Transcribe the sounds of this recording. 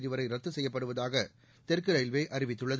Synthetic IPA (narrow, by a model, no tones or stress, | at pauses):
ðɪʋɐɾɐɪɾɐt̪ːɯsɛjːɐpːɐɽɯʋɐðaːɣɐ | t̪ɛrkɯɾɐjɪlʋeːʔɐɾɪʋɪt̪ːɯɭːɐð